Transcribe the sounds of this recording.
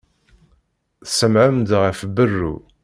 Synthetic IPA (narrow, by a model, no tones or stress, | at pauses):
θsəmʕəmd̪ʁəfbərːṵ